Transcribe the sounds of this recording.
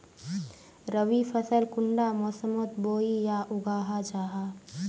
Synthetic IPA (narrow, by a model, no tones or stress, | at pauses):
ɾəʋipʰəsəlkʊɳɖamɔːsəmot̪boːijaʔʊɡaːɦad͡ʒaːɦaː